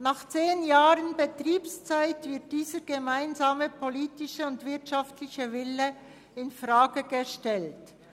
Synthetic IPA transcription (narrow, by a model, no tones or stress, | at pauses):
naχt͡seːnjaːʁənbətʁiːpst͡saɪtvɪɐt̚d̥iːzəɡ̥əmaɪnzaːməpʰoliːtɪʃəʊndvɪɐtʃaftlɪçəvɪlə | ɪnfʁaːɡəɡ̥əʃtɛlt